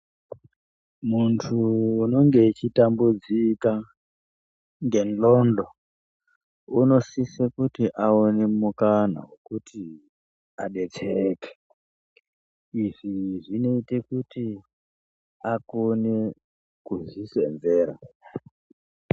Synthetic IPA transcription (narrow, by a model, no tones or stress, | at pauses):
muntʰuːno̞ŋɡet͡ʃitambud͡zika | ŋɡenlondo | uno̞sisekutiʔaonemukana̰wekutʰi | aɗe̞t͡seke̥ | iʐiʐino̞itekuti | akone | kuzisḛnzeːɾa̰